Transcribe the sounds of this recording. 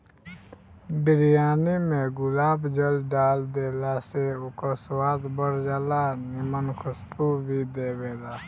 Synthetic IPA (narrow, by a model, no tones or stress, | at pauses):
bɪɾijaːnimẽɡʊlaːbd͡ʒəlɖaːld̪eːlaseʊkoswaːd̪bəɾd͡ʒaːlanɪmənkʰʊsp̪ubʱid̪eːbeːlaː